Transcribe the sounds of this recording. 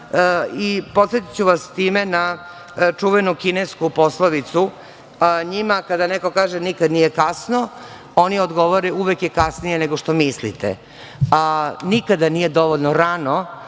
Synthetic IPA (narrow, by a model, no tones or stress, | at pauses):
ipo̞t̪se̞t̪i̥t͡ɕuʋast̪iːmena | t͡ʂuʋenukineskupo̞slˠaʋit̪su | ɲimakad̪aneko̞kaːʒenikad̪nijekasno | oniod̪ɡo̞ʋoɾeuʋekjekasnijeneɡo̞ʃt̪o̞mislḭt̪ḛ | anikad̪aniːje̞d̪o̞ʋoʎnoɾano̞